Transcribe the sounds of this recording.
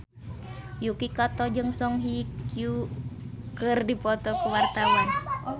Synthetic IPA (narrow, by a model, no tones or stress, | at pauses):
jukikat̪ɔd͡ʒɨŋsɔŋɦikju | kɨrdipɔt̪ɔkuwart̪awan